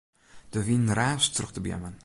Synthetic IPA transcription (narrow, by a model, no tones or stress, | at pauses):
d̥əvinnraːstrɵxtəbjɛ̰mən